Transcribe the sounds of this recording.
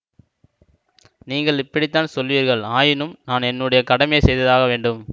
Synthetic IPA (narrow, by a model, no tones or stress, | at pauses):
niːŋɡɐɭɪpːɐɽɪt̪ːaːnsɔlʋiːɾɣɐɭaːjɪnɯmnaːnɛnːɯɽɐjɐkɐɽɐmjesɛjðɐðaːɣɐʋeːɳɖɯm